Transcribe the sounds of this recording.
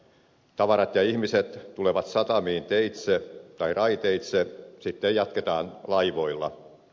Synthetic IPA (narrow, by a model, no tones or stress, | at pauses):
t̪ɑʋɑɾɑt̪jɑihmiset̪t̪uleʋɑt̪sɑt̪ɑmiːnt̪eit̪set̪ɑirɑit̪eit̪sesit̪ːejjɑt̪ket̪ɑːnlɑiʋoilːɑ̰